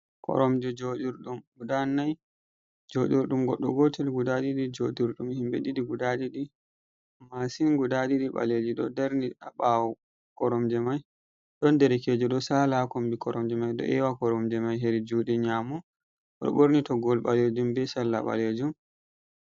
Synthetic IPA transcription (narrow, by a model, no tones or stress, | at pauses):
kɔ̰ɾɔmd͡ʒɛd͡ʒoɗiɾɗumɡudanːaj | d͡ʒoɗiɾɗumɡɔɗːɔɡɔtɛlɡudaɗiɗid͡ʒodiɾɗumhimɓḛɗiɗiɡudaɗiɗi | masinɡudaɗiɗiɓa̰led͡ʒiɗɔ̰dɛɾniaɓawɔ | kɔɾɔmd͡ʒɛmaj | ɗɔndɛɾɛkɛd͡ʒɔɗɔsalakombikɔɾɔmd͡ʒɛmajɗɔ̰ʔɛwakɔɾɔmd͡ʒɛmajɦeɾid͡ʒuːɗɛɲamu | ɗɔ̰ɓoɾnitɔɡɔlɓaled͡ʒumbɛsalːa̰ɓa̰led͡ʒum